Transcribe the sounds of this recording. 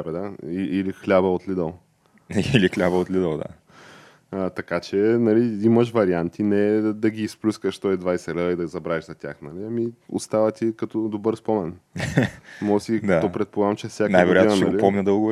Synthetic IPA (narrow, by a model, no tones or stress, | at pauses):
abɛd̪aiʔilixlʲabəot̪lid̪əlˠ | ilixlʲabɐot̪lʲid̪əlˠd̪a̰ | ət̪ɐkat͡ʃɛnɐliimɐʃ̬vɐɾiant̪ʰinɛd̪ɐɡiːsplʲuskəʃt̪ɔɛd̪vajsɛɾəid̪ɐzɐbɾavɛʒzɐt̪ʲjaxnɐliɐmio̰st̪avɐt̪ikɐt̪ɔd̪obɤɾspɔmɛn | mɔɡəsid̪aɔpɾɛt̪̚polˠaɡəmt͡ʃɛfsjaknajvɛɾojatɛnʃnɛɐɡʊlipɔmnʲəd̪əlˠɡv